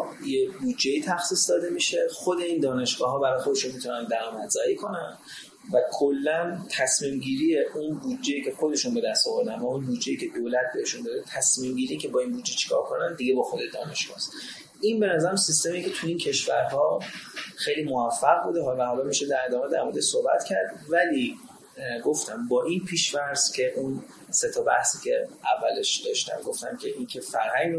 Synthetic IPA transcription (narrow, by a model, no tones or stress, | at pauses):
jebud̪d͡ʒeit̪ʰæxsiːsd̪ɒːd̪e̞miʃexod̪e̞iːnd̪ɒːne̞ʃɡɒːɦɒːbæɾɒjexod̪e̞ʃunmit̪ʰunænd̪æɾɒːmæd̪zɒːjikʰo̞næn | vækʰolːænt̪ʰæsmiːmɟiːɾijeʔunbud̪̚d͡ʒe̞jiːcʰe̞xod̪e̞ʃunbe̞d̪æst̪ɔvoɾd̪ænvæunbud̪d͡ʒejiːcʰe̞d̪oːlæt̪̚beeʃund̪ɒːɾet̪ʰæsmiːmɟiːɾijcʲʰe̞bɒːinbud̪d͡ʒːet͡ʃʰi̥kʰɒ̰ɾkʰo̞nænd̪iɡebɒːxod̪ed̪ɒ̰ːne̞ʃɡ̥ɒ̰ːst̪ | inbe̞næzæɾæmsist̪e̞micʰe̞t̪ʰueiːncʰe̞ʃvæɾɦɒːxe̞jliːmovæfːæɣbud̪eɦɒvæɦɒːlɒːmiʃed̪æɾe̞d̪ɒːmed̪æɾmoɾed̪eʃsohbæ̰t̪cʰæɾd̪væliː | ɡo̞ft̪æmbɒːʔinpʰiːʃvæɾz̥cʲʰe̞ʔun | se̞t̪ʰɒbæ̰hsiːcʰe̞ævːæleʃd̪̥ɒ̰ːʃt̪æ̰mɡoft̪æ̰mcʲʰe̞ʔincʰe̞fæɾɦæŋɡ